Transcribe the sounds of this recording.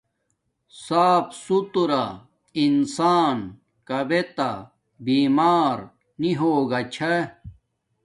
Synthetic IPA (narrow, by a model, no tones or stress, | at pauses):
saːpsut̪uɾa | insaːn | kɐbet̪a | biːmaːɾ | niɦoːɡɐt͡ɕʰɐ